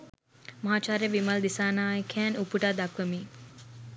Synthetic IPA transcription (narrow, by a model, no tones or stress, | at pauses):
mɐɦaːt͡ʃaːɾejəʋimɐld̪isaːnaːjkʰɛːnupuʈad̪akʋəmiː